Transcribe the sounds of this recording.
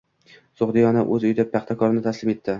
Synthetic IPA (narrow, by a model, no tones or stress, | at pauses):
soχd̪ɪjɒnaʔɵzʊjd̪ɪp̚p̪ʰɑχt̪ʰakʰɒɾɪnɪt̪ʰaslɪme̞t̪ʰːɪ